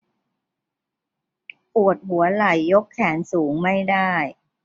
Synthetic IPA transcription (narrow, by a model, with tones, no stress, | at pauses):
pu˨˩ət̪̚hu˩˦ɐla˨˩jːo˦˥kʰːɛː˩˦nsuː˩˦ŋma˥˩jdaː˥˩j